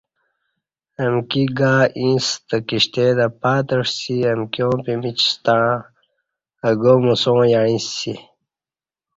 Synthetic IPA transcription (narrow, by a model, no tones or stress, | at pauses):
ɐmkiɡaːĩːst̪əkiɕt̪ed̪ɐpaːt̪əʂsiɐmkijõːpimit͡ɕst̪ãː | əɡomusõːjaɳĩsi